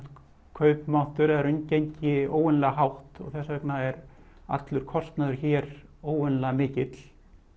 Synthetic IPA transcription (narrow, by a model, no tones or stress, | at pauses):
kʰœɥpmawn̥t̪ʏɾaɾʏncejɲcɪoːwʏnlɛɣaɦawht̪ɔ̰ɣθɛsːavɛknaɛɾ | a̰t̪lʏɾ̥kʰɔst̪naðʏɾ̥çɛːɾoːwʏnlɛɣmɪːcɪt̪l